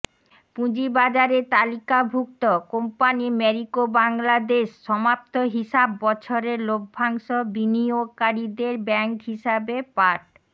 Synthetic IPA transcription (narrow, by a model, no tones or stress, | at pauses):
pũd͡ʑibad͡ʑaɾet̪alikabʱuk̚t̪okompanimɛɾikobaŋlad̪eʃːɔmap̚t̪ʰoɦiʃabːɔt͡ɕʰoɾeɾloɡ̚bʱaŋʃobiniokaɾid̪eɾbɛŋkɦiʃabepaɾʈ